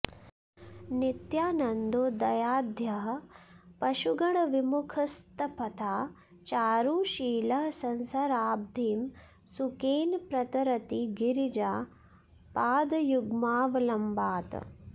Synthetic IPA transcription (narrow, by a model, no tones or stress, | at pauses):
nit̪jaːnɐnd̪oːd̪ɐjaːd̪ʱjɐɦɐ̆pɐʃuɡɐɳɐʋimukʰɐst̪ɐpɐt̪ʰaː | t͡ʃaːɾuːʃiːlɐɦɐsɐnsɐɾaːb̚d̪ʱiːm | sukeːnpɾɐt̪ɐɾɐt̪iɡiɾid͡ʒaː | paːd̪ɐjuɡmaːʋɐlɐmbaːt̪